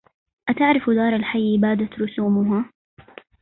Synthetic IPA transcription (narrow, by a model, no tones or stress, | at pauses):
ʔat̪aʕɾɪfd̪ɑːɾˤalħajːbaːd̪at̪ɾʊsuːmʊɦa